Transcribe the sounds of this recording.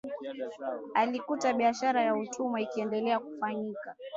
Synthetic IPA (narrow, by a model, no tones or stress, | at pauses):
alikutaɓiaʃaɾajautʰumaikiɛndɛlɛakufaɲika